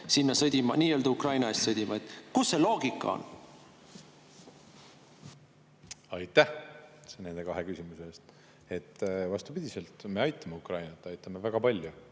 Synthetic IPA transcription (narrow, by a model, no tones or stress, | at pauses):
sinːɑsɤd̪ʲimɑniːø̞ld̪ukrɑjnɑe̞st̪sɤd̪ʲimɑet̪kusːe̞lo̞ːɡ̥ikːˑɑ̰o̰n | ɑjt̪ːˑæhsene̞nd̪e̞kɑɦe̞kysimuse̞eːst̪ | e̞t̪ːvɑst̪upid̪̥ʲise̞lt̪me̞ɑjt̪ːˑɑmeukrɑjnɑt̪ːˑɑjt̪ːˑɑmevæɡ̥ɑpɑlʲju